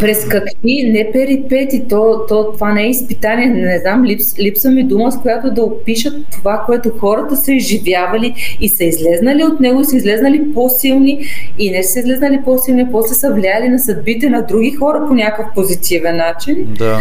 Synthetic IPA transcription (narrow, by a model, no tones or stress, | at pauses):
pɾɛskɐkvinɛpɛɾipɛt̪it̪ɔt̪ɔt̪ovanɛɛispit̪aniɛnɛznamlipslipsəmid̪uməskojat̪od̪ɐopiʃət̪ːovakoɛt̪oxɔɾət̪əsɐizʒivjavɐliisɐizlɛznɐliot̪nɛɡoisəizlɛznəliposilˠniinɛsəizlɛznɐlipɔsilˠnipɔslɛsɐvlʲiajəlinɐsɐd̪̚bit̪ɛnɐd̪ɾuɡʲixɔɾɐponʲakəfpozit̪ivɛnːat͡ʃin